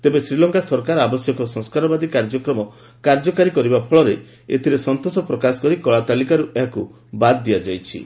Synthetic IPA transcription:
t̪ebesɾilɔŋkasɔɾkaɾɔabɔsjɔkɔsɔ̃ŋskaɾɔbad̪ikaɾd͡ʒɔkɾɔmɔ | kaɾd͡ʒɔkaɾikɔɾibapʰɔɭɔɾe | ḛt̪ʰiɾesɔnt̪osɔpɾɔkasɔ̥kɔɾikɔɭat̪alikaɾuʔeɦaku | bad̪d̪ijad͡ʒajt͡ʃʰḭ

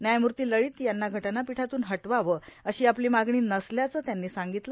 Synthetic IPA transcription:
njajmuɾt̪iːləɭiːt̪janːaɡʱəʈanːapiʈʰat̪uːnɦəʈʋaʋəəɕiːapliːmaɡɳiːnəsljat͡səːt̪janːiːsaŋɡit̪lə

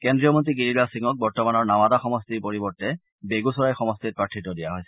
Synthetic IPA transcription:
kɛndɹijɔmɔntɹiɡiɹilasiŋɔk̚bɔɹtɔmanɔɹnawadaxɔmɔstiɹpoɹibɔɹtɛ | beɡusɔɹajxɔmɔstit̚pɹatʰitɔdijaɦojsɛ̥

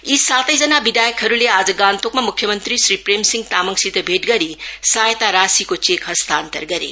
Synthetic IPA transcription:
isatɐjd͡ʒɐnabidajkʰɐɾulead͡ʒɐɡantʰok̚mɐmukʰjɐmɐnt̪ɾisɾipɾemsiŋtamɐŋsidɐbʱet̚ɡɐɾisajtaɾasikot͡ʃekhɐst̪ʰantɐ̰ɾɡɐɾḭ

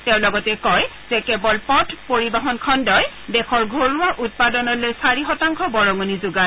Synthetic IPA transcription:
tɛʊ̃lɔɡɔtɛkɔj | z̥ɛkɛbɔlpɔtʰpoɹibaɦɔnkʰɔndɔj | dɛxʰɔɹɡʱoɹuaʔut̚padɔnɔlojsaɹixɔtaŋkʰɔbɔɹɔŋunizuɡa

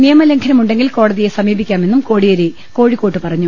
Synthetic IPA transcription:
nijɐmɐle̞ŋkʰɐnɐmuɳɖe̞ŋɡilko̞ːɽɐðije̞sɐmiːbikʲːaːme̞nːumko̞ːɽijoɾe | ko̞ːɻikːoːʈːɨpɐrɐɲːu

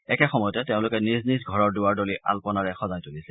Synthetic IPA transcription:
ɛkɛxɔmɔjɔtɛteʊ̃lʊkɛniznisɡʱɔɹɔɹdʊwaɹdolia̰lpɔnaɹɛxɔzajtulisɛ

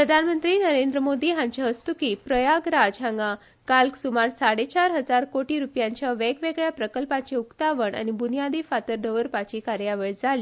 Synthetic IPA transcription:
pɾəd̪ʱanmənt̪ɾiːnəɾend̪ɾəmod̪iːɦãɲt͡ɕaɦəst̪ukiːpɾəjaɡɾad͡zɦãŋɡa | kalksumaɾsaɽet͡ɕaɾɦəd͡zaɾkoʈiːɾupjãɲt͡ɕjaʋeɡʋeɡɭjapɾəkəlpat͡ɕeukt̪aʋəɳa̰nibunijad̪iːfat̪əɾɖəʋəɾpat͡ɕiːkaɾjaʋeəɭd͡zʱaliː

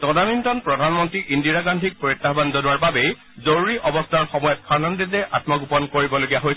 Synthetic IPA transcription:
tɔdanintɔnpɹɔdʱanmɔntɹiʔindiɹaɡandʱik̚poɹitːabanzɔnʊaɹbabe | zoɹuɹiʔɔbɔstʰaɹxɔmɔjɔt̚kʰanɔnditɛʔatmɔɡupɔnkoɹibɔloɡijaɦojs

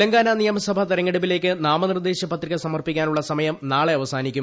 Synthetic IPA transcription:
lɐŋɡaːnaːnijɐmɐsɐbʱɐt̪ɐɾɐŋːeɽubile̞ːk̬ʲːɨnaːmɐnird̪e̞ːɕjɐpɐt̪riɣɐsɐmɐrpikʲːaːnuɭːɐsɐmɐjɐmnaːɭeɐʋɐsaːnikʲːum

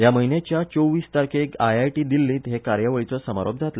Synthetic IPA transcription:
jaməɦinjat͡ɕjat͡sowʋiːst̪aɾkekajajʈiːd̪ilːĩːt̪ɦekaɾjəʋəɭit͡sɔsəma̰ɾo̰b̚d͡zʱat̪l

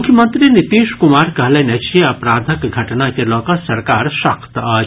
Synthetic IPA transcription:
ʊkʰjəmənt̪ɾinit̪iːʃkʊmaːɾkɐɦlɐnɐt͡ʃeɐpɾaːd̪ʱəkɡʱɐʈnakelɔːkɐsɐɾkaːɾʃɐkt̪aː

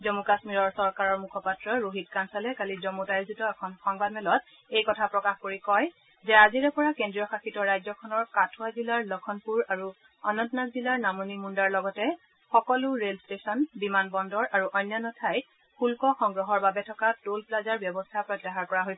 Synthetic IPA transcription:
zɔmukasmiɹɔɹsɔɹkaɹɔɹmukʰɔpatɹɔɹoɦitkansalɛkalizɔmutajuzitɔɛkʰɔnxɔŋbadmɛlɔt | ejkɔtʰapɹɔkaxkoɹikɔj | zɛaziɹɛpɔɹakendɹijɔxaxitɔɹajzɔkʰɔnɔɹkatʰuazilaɹlɔkʰɔnpuɹaɹu | ɔnɔntnakzilaɹnamonimundaɹlɔɡɔtɛ | xɔkɔlʊɹelstesɔnbimanbɔndɔɹʔaɹuʔɔjnjanɔtʰaj | hulkɔxɔŋɡɹɔɦɔɹbabɛtʰɔkatolplazaɹbjɔbɔstʰapɹɔtːɛɦaɹkɔɹaɦojsɛ

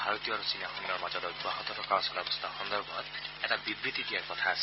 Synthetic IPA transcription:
bʱaɹot̪ijɔaɹusinaxɔniɔɹmazɔtɔɡwaɦɔt̪ɔtʰɔkaɹsɔlabɔst̪axɔnd̪ɔɹbʱɔɔtɛtabibɹit̪idiaɹkɔtʰaasɛ̥

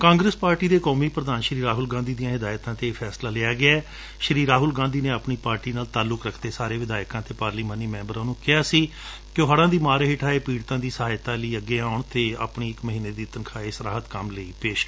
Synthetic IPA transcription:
kãːŋɡɾəspaːɾʈiːd̪eːkoːmiːpɾəd̪aːnʃɾiːɾaːɦʊlɡãːnd̪iːd̪ijãːɦɪd̪aːjt̪ãːt̪eːpʰɛːslaːleːaːɡɪaːɛː | ʃəɾiːɾaːɦʊlɡãːnd̪iːneːapɳiːpaːɾʈiːnaːlt̪aːlʊkɾəkʰd̪eːsaːɾeːʋɪd̪aːjkãːt̪eːpaːɾliːmãːniːmɛ̃ːmbəɾãːnũːkɪaːsiː | kɪoːɦaɽãːd̪iːmaːɾɦeːʈʰaːeːpiːɽt̪ãːd̪iːsəɦaːjt̪ãːləiːəɡːeːaːʊɳt̪eːa̰ːpɳiːɪkməɦiːneːd̪iːt̪ənkʰaːeːsəɾaːɦət̪kəmləiːpeːʃkː

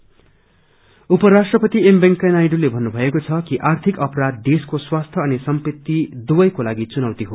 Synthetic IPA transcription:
upʌɾasʈrʌpʌt̪iembeŋkanajɖulebʱʌnːubʱʌekot͡sʰʌkiʔart̪ʰikʌpʌɾad̪ːeskoswast̪ʰʌʌnisʌmpit̪ːid̪ubʌjkolaɡit͡sunawt̪iɦo

